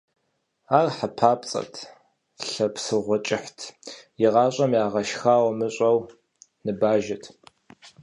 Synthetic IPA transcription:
aːrħapʰaːpʼt͡sʼɐ̰tʰ | ɬɐpsɨʁʷɔt͡ʃʼɪħtʰjɪʁɑːɕʷʼɐmjaːʁɐʃxaːwɐmɨɕʷʼɐw | nɨbaːʒɐtʰ

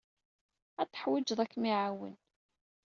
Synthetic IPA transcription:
æt̪ːə̥ħwɪd͡ʒðˤækːmiʕawə̰n

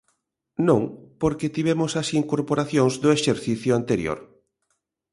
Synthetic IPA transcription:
nõŋpoɾkɪt̪iβɛmʊsɐsiŋkoɾpoɾaθjõŋzd̪ʊeʃeɾθiθjʊant̪eɾjo̰ɾ

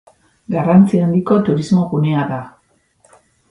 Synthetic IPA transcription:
ɡarant͡siand̪iko̞t̪uɾizmo̞ɣuneaða

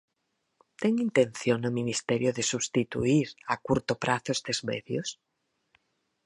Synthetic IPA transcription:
t̪eŋint̪ẽn̟θjonominist̪eɾjoðesuβst̪it̪ṵiɾakuɾt̪opɾʔaθosd̪ezmeðjos

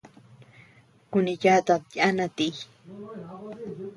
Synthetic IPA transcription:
kʊniʎat̪aanat̪ij

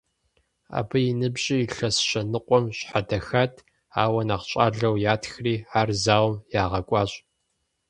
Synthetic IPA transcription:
a̰ːbɨjɪnɨbɕʼiːɬɐsɕɐnɨqʷʼɔmɕħadɐxatʰ | aːwɐnaːqɕʼaːɮɐwjaːtʰxriːaːrzaːwɔmjaːʁɐkʷʼɑːɕʼ

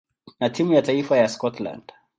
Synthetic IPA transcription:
natʰimujataifajaskɔtla̰nd̥

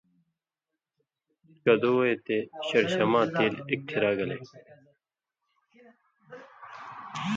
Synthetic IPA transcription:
kɐd̪oːeːt̪eːɕɐɾɕɐmãːt̪eːlɪk̚ʈʰiɾaːɡɐlḛː

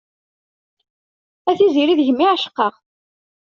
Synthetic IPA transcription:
æθiziɾiðəʝmːiʕaʃə̥qːɑʁ

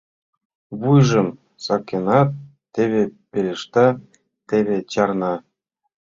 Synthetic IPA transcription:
βujʐɤ̆m | sɑkʲːenɑt̪ː | eβʲepʲelʲeʂt̪ɑ | t̪eβʲet͡ɕɑrnɑ

